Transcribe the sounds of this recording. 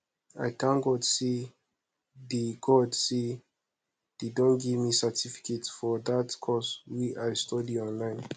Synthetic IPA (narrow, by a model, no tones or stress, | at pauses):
a̰jkãnɡɔtse | deɡɔdse | d̥edɔ̃nɡivmisətʰifi̥ketsfɔdatkʰɔswiaɪstɔdiɔ̃nlãɪ̃n